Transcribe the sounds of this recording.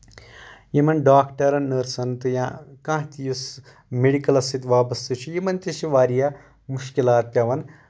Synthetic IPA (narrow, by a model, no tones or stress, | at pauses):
jimɐnɖaːkʈɐɾɐnɐɾsɐnt̪ɨjãːkãːɦt̪ijus | meɽikɐlɐsit̪ʋaːbɐst̪it͡ʃʰujimɐnt̪iʃiʋaːɾija | muʃkilaːt̪̚pʲjaːʋɐn